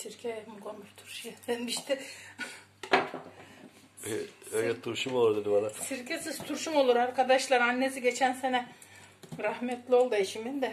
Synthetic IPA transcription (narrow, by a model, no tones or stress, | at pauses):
siɾcʲʰejhmɡonuɾt̪ʰuɾʃjeenmiʃt̪ʰɛ | øjɛt̪ʰuɾʃumolˠuɾd̪ed̪ibanasiɾcʰesizt̪ʰuɾʃumo̞lˠuɾaɾkʰad̪aʃlˠaɾanːesiɟet͡ʃʰænsenɛ | ɾahmɛt̪lʲio̞lˠd̪aeʃimind̪ɛ